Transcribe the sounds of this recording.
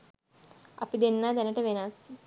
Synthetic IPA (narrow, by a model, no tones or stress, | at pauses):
ɐ̰pid̪enːad̪ɐnɐʈeʋenaːs